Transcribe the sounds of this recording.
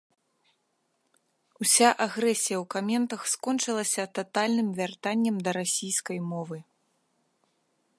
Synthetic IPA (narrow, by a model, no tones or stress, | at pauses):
usʲaʔaɣɾɛsʲijɐwkamʲɛnt̪ɐxskɔnt͡ʂɨlˠɐsʲɐt̪at̪alʲnɨmvʲart̪anʲːɐmd̪ɐɾasʲijskɐjmɔvɨ